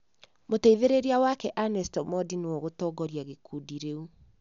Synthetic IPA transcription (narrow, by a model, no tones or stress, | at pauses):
moteiðeɾeɾeawakɛʔanɛstɔmɔdinewɔɣotɔɡɔɾjaɣekʰudiɾeu